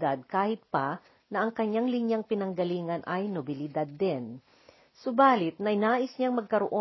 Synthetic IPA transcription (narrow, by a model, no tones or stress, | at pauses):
d̪ad̪̚kaːhɪt̪̚pɐ | nɐʔɐŋkɐɲːaŋlɪɲjaŋpɪnɐŋɡɐliːŋɐnʔɐjnobɪlɪd̪ad̪ːɛn | sʊbaːlɪt̪̚nɐɪnaːʔɪsɲaŋmɐɡ̚kɐɾoʔo